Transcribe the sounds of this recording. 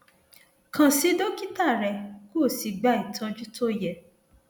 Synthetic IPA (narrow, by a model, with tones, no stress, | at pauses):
kã˨si˨˦do˦ki˦ta˦˨ɾɛ˧˨ko˦˨si˧ɡ͡ba˦i˨tʰã˧d͡ʒu˦to˦jɛ˨